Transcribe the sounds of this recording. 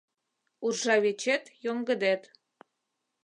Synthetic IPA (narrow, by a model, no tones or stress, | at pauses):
urʒɑβet͡ɕet̪joŋɡə̆d̪et̪